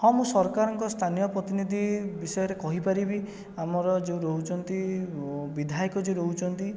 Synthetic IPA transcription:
hɔ̃mũsɔɾkaɾɔŋkɔst̪ʰanijɔpɾɔt̪inid̪ʱibisɔjɔɾekɔɦipaɾibi | amɔɾɔd͡ʒeũɾɔɦut͡ʃʰɔnt̪i | bid̪ʱajkɔd͡ʒeɾɔɦut͡ʃʰɔnt̪i

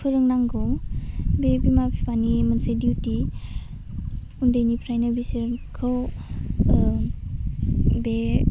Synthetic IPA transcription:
pʰɯɾɯŋnaŋɡɔwbebimapipanimənsediwti | undəjnipʰɾajnabisɯɾkʰɯw | be

